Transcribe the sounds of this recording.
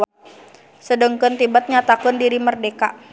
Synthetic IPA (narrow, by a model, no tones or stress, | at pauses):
sədəŋkənt̪ibat̪̚ɲat̪akʊndiɾimərdeka